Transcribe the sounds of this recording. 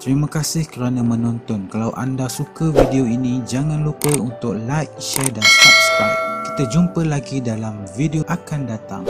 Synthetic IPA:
t̪əɾimãkasɪhkəɾanãmə̃nɔ̃nt̪ɔnkalawʔa̰ndasukavideoinĩd͡ʒaŋãnlupəunt̪ʊk̚lajk̚ʃɛrdanspap̚st̪at̚ki̥t̪ad͡ʒumpəlaɡidalamvideoʔakandat̪a̰ŋ

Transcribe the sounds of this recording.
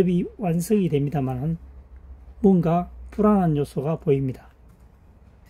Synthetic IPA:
ebiwansʰɯŋidwe̞mɲidamanɯn | muʌnɡapuɾanɦanjosʰoɡapoimɲidḁ

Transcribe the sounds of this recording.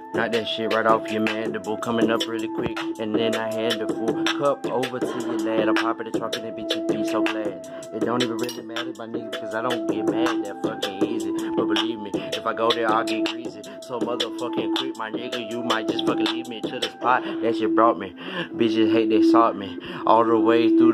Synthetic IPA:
naɪt̚ðɨ̃ʃɪɹaɪɾɔfjɨmæ̃ndɨbukʰʌ̃mɪ̃ŋʌpɹɪlˠikʰw̥ɪkɨ̃nðɨ̃naɪɦæ̃ndɨfukʰʌpoʊvə˞tʰɨðɨlæɾəpʰɑbəɾɨtʰɹ̥ʌkɪ̃nðɨb̥it͡ʃʰɨbisoʊɡlæd | ɨt̚d̥õʊ̃ntivə̃nɹɪlˠimæɾəmaɪnibɨkʰʌzaɪɾõʊ̃nbiɨmæn̚ðɨtfʌkɪ̃ŋizib̥ʌt̚b̥əlivmiɨfaɪɡoʊðəaɡikʰɹ̥izi | soʊmʌðə˞fʌkɪ̃ŋkʰw̥ɪk̚maɪnɛɡəjɨmaɪt̚d̥ʒ̥ʌstfʌkɪ̃nlivmiɨtʰʊɾɨspʰaɪðɨʃɨbɹɔt̚mi | bid͡ʒʌzɦeɪt̚ðeɪsɔt̚miʔɔlˠðəweɪθɹu

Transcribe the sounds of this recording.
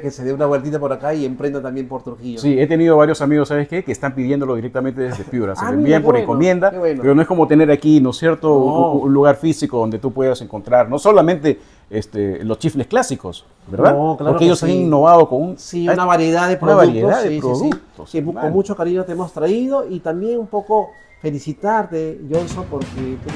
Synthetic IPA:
keseðeunawelt̪it̪apoɾakaiempɾend̪at̪ambje̞mpoɾt̪uɾxiʝosie̞t̪e̞nið̞o̞βaɾjo̞samiɣosːaβeske̞keːst̪ampiðje̞nd̪o̞lo̞ð̞iɾek̚t̪ament̪e̞ðezðepjuɾasbiempoɾeŋkomje̞nd̪awenpeɾonoeskomot̪e̞ne̞ɾakino̞sje̞ɾt̪ounluɣaɾfisikoðo̞nd̪e̞t̪̬upwe̞ðase̞ŋko̞nt̪ɾaɾno̞so̞lamẽnt̪e̞ | est̪elo̞st͡ʃifle̞sklasiko̞s | beɾðaklaoɾkeejosaninːo̞βað̞okonunsinaβaɾjeðaðepɾoaβaɾjeðaðeɾoðk̚t̪oseonmut͡ʃokaɾiɲot̪eemost̪ɾaið̞oit̪ambje̞numpo̞ko̞ | fe̞lisit̪aɾt̪eʝonsopoɾket̪

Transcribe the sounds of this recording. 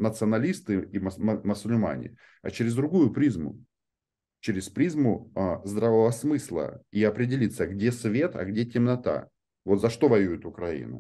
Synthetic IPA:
nət̪sɨɐnɐlʲist̪ɨimməsʊlʲma̰nʲɪ̰ | ɐ̰t͡ɕeɾʲɪzd̪ɾʊɡujʊpɾʲizmʊ̰ | t͡ɕeɾʲɪspɾʲizmʊəzd̪ɾavəvəsmɨslˠə̰iɐpɾʲɪdʲɪlʲit̪səɡdʲe̞svʲe̞t̪ɐ̰ɡdʲe̞tʲɪmnɐt̪a̰ | vo̞t̪zɐʂt̪o̞vɐjujɪt̪ʊkɾɐḭnʊ̰

